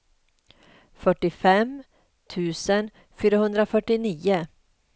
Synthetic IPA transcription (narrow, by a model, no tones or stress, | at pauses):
fœʈːɪfɛm | t̪ʰʉ̟ːsən | fyːɾahɵnd̪ɾafœʈːɪniːʊ